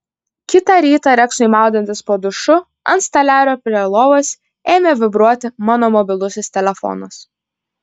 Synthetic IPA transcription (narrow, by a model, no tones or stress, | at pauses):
kʲɪt̪ɑɾʲiːt̪ɑɾʲɛksʊimɑˑʊd̪ʲɛnt̪ʲɪspoːd̪ʊʃʊ | ɐnst̪ɐlʲæːɾʲoːpʲɾʲiɛlˠoːʋosʲ | eːmʲeʋʲɪbɾuɔt̪ʲɪmɑːnoːmɔbʲɪlˠʊsʲʊst̪ʲɛlʲɛfɔ̰nʊs